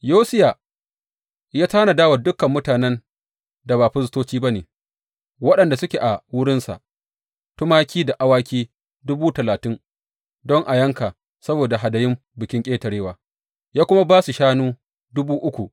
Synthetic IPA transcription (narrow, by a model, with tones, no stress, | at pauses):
joː˦sɪ˦ja˨ | jaː˦taː˦na˨daː˦wa˨dʊ˦kːɐ˨mːʊ˦taː˨nɛ˦n | da˨baː˨ɸʊ˦stoː˦t͡ʃiː˦ba˦neː˨ | wɐ˦ɗɐ˨nda˨sʊ˦kʲe˨ʔa˨wʊ˦ɽɪ˦nsa̰˨ʔ | tʊ˦maː˦kʲiː˦da˨ʔa˦waː˦kʲiː˦ | dʊ˦buː˦tɐ˨laː˨tɪ˦ŋ | dɔ˦ŋʔa˨jɐ˦ŋkaː˨ | sɐ˦boː˨da˨ɦa˨dɐ˨jɪ˦m | bɪ˨kʲɪ˦ŋkʲʼeː˦tɐ˨ɽeː˦waː˨ | jaː˦kʷʊ˦ma˦baː˦su˨ʃaː˦nuː˦ | dʊ˦buː˦ʔʊ˦kʷu˨ʔ